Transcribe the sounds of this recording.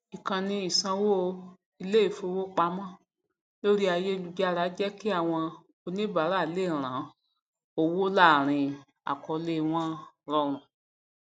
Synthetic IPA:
i˨kã˨nĩ˧˦i˨sã˧wo˦˧ | i˧le˦i˦˨fo˧wo˦k͡pa˧˦mɔ̃˦ | lo˦ɾi˦a˧je˦˧lu˧d͡ʒa˦˧ɾa˨˦d͡ʒɛ˦ki˦a˦˨w̃ɔ̃˧ | o˧nĩ˦ba˨˦ɾa˦˨le˦˨ɾ̃ã˨˦ | o˧wo˦la˦˨ɾ̃ĩ˧ | a̰˨kɔ˧le˧˨w̃ɔ̃˦ | ɾɔ˧ɾ̃ũ˨

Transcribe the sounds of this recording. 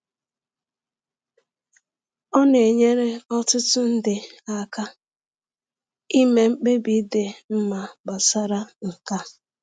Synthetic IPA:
ɔ˦ne˨ɲe˦ɾe˦ɔ˦tʊ˦tʊ˦n̩˦dɪ˨a˦ka˦ | i˦me˨ŋ͡m̩˦k͡pe˦bi˨˦de˨m̩˦ma˨ba˨sa˦ɾa˦ŋ̩˨ka˦

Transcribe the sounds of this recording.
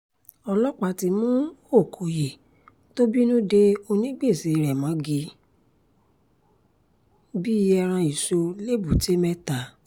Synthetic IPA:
ɔ˧lɔ˦k͡pa˧ti˧mũ˦o˦˨kʰo˨je˨ | to˦bi˦nũ˦de˦o˧nĩ˦ɡ͡be˦˨si˨˧ɾɛ˨mã˨˦ɡi˧ | bi˦˧jɛ˧ɾ̃ã˧i˨so˧le˦bu˨te˦mɛ˦ta˨

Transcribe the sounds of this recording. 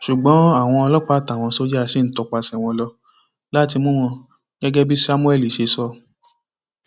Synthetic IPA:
ʃu˨ɡ͡bɔ̃˨˦a˦˨w̃ɔ̃˧ɔ˧lɔ˦k͡pa˦ta˨w̃ɔ̃˧so˦d͡ʒsi˦n̩˦tɔ˧k͡pa˧sɛ˨w̃ɔ̃˧lɔ˧ | la˦ti˧mũ˦wɔ̃˧ | ɡɛ˦ɡɛ˦bi˦sa˦mũ˦ɛ˦˨li˨ʃe˧sɔ˧

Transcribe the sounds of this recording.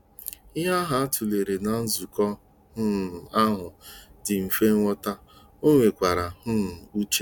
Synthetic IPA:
ɪ˦ɦa˦ɦa˨a˦tu˨le˨ɾe˨na˨n̩˦zu˨kɔ˦ | hʊ˦˨a˦ɦʊ˨dɪ˨m̩˨fe˦ŋ˦ŋʷɔ˦ta˦ | o˦ŋʷe˨kʷa˨ɾa˨hʊ˦˨u˦t͡ʃe˦

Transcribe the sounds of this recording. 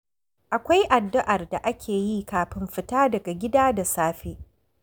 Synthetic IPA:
ʔa˨kʷa˦jʔa˨dːʊ˦ʔa˨rda˨ʔa˦kʲʰeː˨jiː˦kaː˨ɸɪ˦mɸɪ˦taː˦dɐ˨ɡa˨ɡʲɪ˦daː˦da˨saː˦ɸeː˦

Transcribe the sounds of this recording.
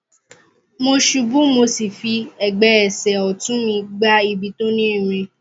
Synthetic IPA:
mo˧ʃu˧bũ˦mo˧si˨fi˧ɛ˨ɡ͡bɛ˨ɛ˨sɛ˨ɔ˨tũ˨˦mĩ˧ɡ͡ba˦i˧bi˧˦to˦nĩ˦i˦˨ɾ̃ĩ˧

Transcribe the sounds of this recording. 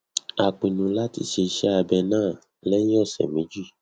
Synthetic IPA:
a˨k͡pĩ˨nũ˨la˦tḭ˧ʃe˧ʃɛ˦a˧bɛ˧nãː˦˨ | lɛ˦ĩ˦ɔ˦˨sɛ̰˨mĩ˨˦d͡ʒi˦˨

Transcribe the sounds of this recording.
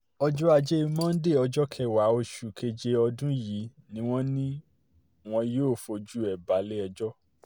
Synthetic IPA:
ɔ˧d͡ʒɔ˦a˧d͡ʒe˦i˧mɔ̃˦n̩˦de˦˨ɔ˧d͡ʒɔ˦kʰɛ˧˨wa˨˦o˧ʃu˨kʰe˧d͡ʒe˧ɔ˧dũ˦ji˨˦nĩ˦w̃ɔ̃˦nĩ˦ | w̃ɔ̃˧joː˦˨fo˧d͡ʒu˦ɛ˨ba˨˦le˦ɛ˧d͡ʒɔ˦

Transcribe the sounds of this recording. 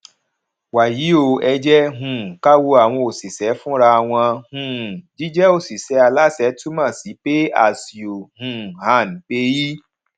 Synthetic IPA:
wa˨ji˨˦o˧ɛ˧d͡ʒɛ˦ɦũ˨ka˦wo˦a˨w̃ɔ̃˧o˨si˨sɛ˨˦fũ˦ɾa˧˨w̃ɔ̃˧hũ˨d͡ʒi˨˦d͡ʒɛ˦o˦˨si˨sɛ˨˦a˧la˦sɛ˨˦tu˦mã˦˨si˨˦pe˦a̰˨si˨o˨hũ˨ha˨n˨pe˧˦ji˦

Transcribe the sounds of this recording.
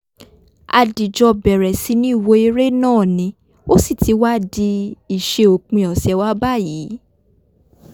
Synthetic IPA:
a̰˧di˨d͡ʒɔ˧bɛ˨ɾɛ˨si˧˦nĩ˦i˦˨wo˧i˧ɾe˦nãː˦˨nĩ˧˦ | o˦si˦˨tʰi˨˧˦wa˦di˧i˨ʃe˧o˨k͡pĩ˧ɔ˨sɛ˧˦wa˦ba˦˨jiː˨˦

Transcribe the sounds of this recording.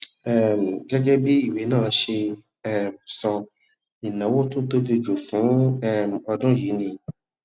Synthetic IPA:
ɛ˦˨m˨ɡɛ˦ɡɛ˦bi˦i˦˨we˨˦nãː˦˨˧ʃe˧ | ɛ˦msɔ˧ | i˨nã˨˦wo˦tũ˦to˦be˧d͡ʒo˨fũ˨˦ɛ˦m˨ɔ˧dũ˦ji˨˦nĩ˧

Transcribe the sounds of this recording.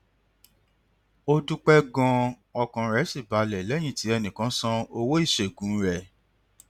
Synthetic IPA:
o˦du˦k͡pɛ˦ɡɔ̃˧ | ɔ˧kã˨ɾɛ˨˦si˦˨ba˨lɛ˨lɛ˨˦j̃ĩ˦˨ti˨˦ɛ˧nĩ˨kã˨˦sã˦o˧wo˦i˦˨ʃe˨ɡũ˨˦ɾɛ˦˨

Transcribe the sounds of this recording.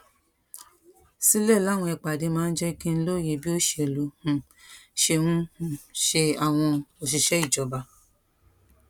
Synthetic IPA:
si˦lɛ˦˨la˦˨w̃ɔ̃˧ɛ˧k͡pa˨de˧˦mãː˦˧n̩˦d͡ʒɛ˦kĩ˦n̩˦lo˦˨je˧bi˦o˦ʃe˧e˨lu˨˧hũ˨ | ʃe˧hũ˦hũ˨ʃe˧a˨w̃ɔ̃˧o˨ʃ̬i˨ʃɛ˨˦i˦˨d͡ʒɔ˨˧ba˧

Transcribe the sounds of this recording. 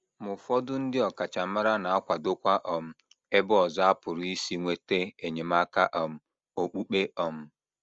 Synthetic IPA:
mʊ˨fɔ˦dʊ˦n̩˦dɪ˦ɔ˨ka˨t͡ʃa˨ma˦ɾa˦na˨a˦kʷa˨dʊ˦kʷa˦ʔɔ˨m̩˨ | e˦bʊ˦ɔ˨za˦pʊ˨ɾʊ˨i˦si˦ŋʷe˦te˦e˨ɲe˨m̩˦a˦ka̰˦ʔɔ˨m̩˨ | o˨k͡pu˦k͡pe˦ʔɔ˨m̩˦

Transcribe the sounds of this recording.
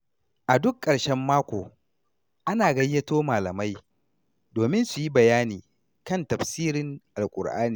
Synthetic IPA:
ʔa˨dʊ˦kʼːɐ˨ɽʃɛ˦mːaː˦kʷoː˨ | ʔa˦naː˨ɡɐ˦jːɐ˦toː˦maː˨lɐ˨ma˦j | doː˨mɪ˦nsu˨ji˦bɐ˨jaː˦niː˨ | kɐ˦ntɐ˨ɸsiː˦ɾɪ˦ŋʔa˨lkʷʼʊ̰˨ɽʔa̰ː˦niː˨

